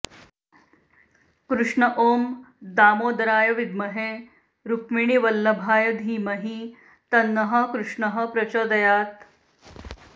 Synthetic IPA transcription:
kɾuʂɳɐʔoːmd̪aːmoːd̪ɐɾaːjɐʋid̪mɐɦe | ɾukmiɳiʋɐlːɐbʱaːjɐd̪ʱiːmɐɦi | t̪ɐnːɐɦɐ̆kɾuʂɳɐɦɐ̆pɾɐt͡ʃoːd̪ɐjaːt̪

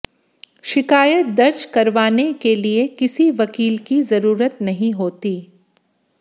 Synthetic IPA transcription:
ʃɪkaːjət̪̚d̪ɐɾd͡ʒkɐɾʋaːnekeliekɪsiʋɐkiːlkizɐɾuːɾət̪nɐɦĩɦoːt̪iː

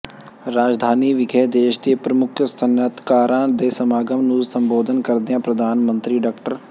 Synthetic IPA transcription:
ɾaːd͡ʒd̪ʱaːniːʋɪɡʰɛːd̪eːʃd̪eːpɾəmʊkʰst̪ʰənət̪kaːɾãːd̪eːsəmaːɡəmnũːsəmboːd̪ʱənkəɾd̪ejãːpɾəd̪ʱaːnmə̃nt̪ɾiːɖaːkʈəɾ

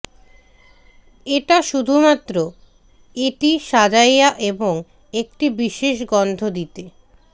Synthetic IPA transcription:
eʈaʃud̪ʱumat̪ːɾo | iʈiʃad͡ʑajaʔeboŋ | ek̚ʈibiʃeʃ̬ɡɔnd̪ʱod̪it̪e

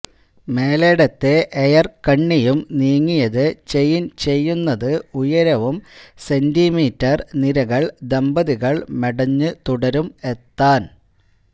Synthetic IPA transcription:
me̞ːle̞ːɽɐt̪ːe̞ʔejɐrkɐɳːijumniːŋːijɐðɨt͡ɕe̞jint͡ɕe̞jːunːɐðɨujɐɾɐʋumse̞ndimiːtːɐrniɾɐɣɐɭd̪e̞mbɐðiɣɐɭmeɽɐɲːɨt̪uɽɐɾume̞t̪ːaːn

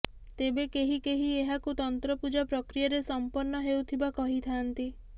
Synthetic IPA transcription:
t̪ebekeɦikeɦieɦakut̪ɔnt̪ɾɔpud͡ʒapɾɔkɾijaɾesɔmpɔɾnɔɦewt̪ʰibakɔɦit̪ʰant̪i

